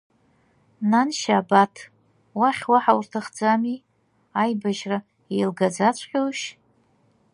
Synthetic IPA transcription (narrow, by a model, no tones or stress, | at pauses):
nanʃaːbatʰ | waχʲwaħawurtʰaχd͡zami | ajbaʒra | ejlɡad͡zat͡ɕʷʰʼqʲʼowʃ